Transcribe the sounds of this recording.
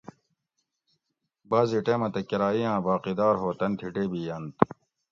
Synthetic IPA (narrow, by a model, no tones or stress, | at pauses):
baːziʈeːmɐt̪ɐkiɾaːijãːbaːqid̪aːɾɦoːt̪ɐnt̪ʰiʈeːbiːjɐnt̪